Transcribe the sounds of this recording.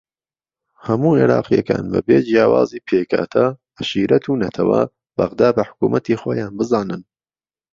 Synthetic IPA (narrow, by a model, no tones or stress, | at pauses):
hɐmuːeɾɑːqijɐka̰ːnbɐ̰beːd͡ʒijaːwa̰ːziːpʰeːkʰa̰ːt̪ʰɐʔɐʃiːɾɐt̪ʰuːnɐt̪ʰɐwɐ̰ | bɐ̰ɣd̪aːbɐħʊ̥kuːmʔɐt̪iːxoːjaːnbɨzaːnɨn